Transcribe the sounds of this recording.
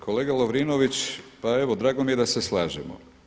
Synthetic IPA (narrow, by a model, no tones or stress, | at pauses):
kʰo̞leːɡaloʋɾinoʋit͡ɕpaeʋod̪ɾaːɡo̞mije̞d̪aseslˠaːʒemo̰